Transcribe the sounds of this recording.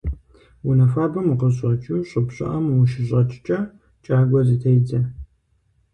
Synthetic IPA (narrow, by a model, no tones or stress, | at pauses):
wunɐfaːbɐmqəɕʼɐt͡ʃʼuɕʼʊpɕʼɪ̰ʔɐmwuʃɪɕʼɐt͡ʃʼt͡ʃʼɐ | t͡ʃʼaːɡʷɐzɨtʰejd͡zɐ